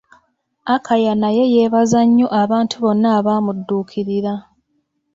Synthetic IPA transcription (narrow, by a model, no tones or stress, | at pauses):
akʰajanaje̞jeːβazaɲːo̞ʔaβaːntʰuβo̞nːaːβaːmudːuːkʰiɾiɾa